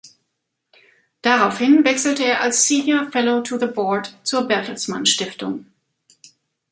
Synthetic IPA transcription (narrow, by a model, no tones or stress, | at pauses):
d̥aʁaʊfhɪnvɛksl̩təeːɐʔalsːiːnjəɐfɛloʊtʰuðəbɔɐtt͡suːɐbɛɐtʰl̩smanʃtɪftʊŋ